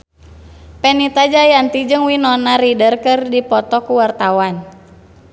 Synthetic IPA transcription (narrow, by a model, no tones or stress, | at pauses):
pɛnit̪ad͡ʒajant̪id͡ʒɨŋwinɔnaɾidərkɨrdipɔt̪ɔkuwart̪awan